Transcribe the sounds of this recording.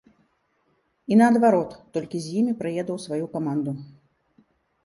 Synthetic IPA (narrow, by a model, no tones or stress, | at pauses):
inɐːd̪vaɾɔt̪ːɔlʲkʲizʲjimʲipɾajɛd̪ɐwsvajukamand̪u